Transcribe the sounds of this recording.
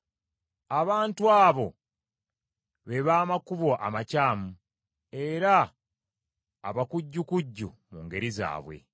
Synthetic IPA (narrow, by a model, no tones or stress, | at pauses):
aβaːntuaːβo̞ | βe̞βaːmakuβo̞ʔa̰macaːmu | e̞ɾa | βakuɟːukuɟːṵmuŋɡe̞ɾiza̰ːβwe̞̰